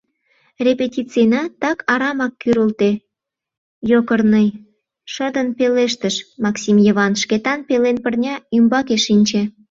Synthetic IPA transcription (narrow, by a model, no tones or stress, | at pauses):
rʲepetʲit͡senɑt̪ɑkʰɑɾɑmɑkːyɾult̪e | jokərnəj | ʃəd̪ənpeleʃ̬t̪əʃmɑksʲimjəβɑnʃket̪ɑnpelenpərnʲɑymbɑkeʃinʲt͡ɕe